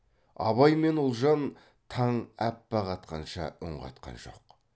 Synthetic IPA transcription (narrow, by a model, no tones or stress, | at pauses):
ɑ̰βɑjme̞nʊlˠʒɑn | t̪ʰɑɴæpːɑʁɑt̪qɑnʃɑ̰ʊɴʁɑ̰t̪qɑ̰nʒo̞̰q